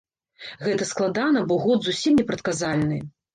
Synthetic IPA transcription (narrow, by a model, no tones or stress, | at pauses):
ɣɛt̪ɐsklˠad̪anɐbɔɣɔd̪zusʲimnʲɛpɾɐt̪kazalʲnɨ